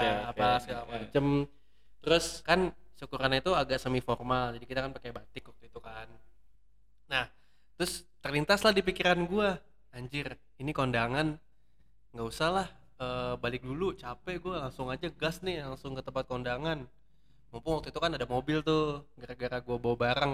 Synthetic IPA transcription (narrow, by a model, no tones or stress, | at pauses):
aabasaamat͡ʃəm | t̪əɾʊskansukuɾanit̪uaɡaʔsəmiformald͡ʒadikit̪akanpakajbat̪ɪkwak̚t̪uit̪ukan | nah | t̪ɾʊst̪ərlint̪aslahdip̬ikiɾanɡua | aɲd͡ʒɪr | inikondaŋan | ŋɡaʔusahlah | əːbalɪk̚dulut͡ʃapɛɡualaŋsʊŋad͡ʒaɡasnɪhlaŋsʊŋkət̪əmpat̪̚kɔndaŋan | mawpʊnwak̚t̪uit̪ukanadamobɪlt̪uɡaɾaɡaɾaɡuabaabaɾaŋ